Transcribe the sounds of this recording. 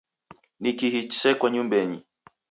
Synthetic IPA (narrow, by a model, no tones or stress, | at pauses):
nikihit͡ʃsɛkwaɲumbɛɲi